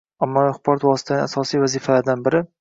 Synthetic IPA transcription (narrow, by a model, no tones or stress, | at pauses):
amːɒaχbɒɾɒt̪vɒsɪ̥t̪ʰanɪasɒsijvazifalaɾd̪anbɪɾɪ